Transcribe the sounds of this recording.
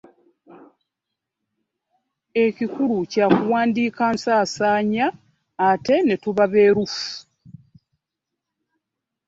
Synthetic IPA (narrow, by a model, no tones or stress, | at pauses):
e̞cikulucakuwaːndiːkansaːsaːɲaː | te̞ne̞tuβaβe̞ːɾufu̥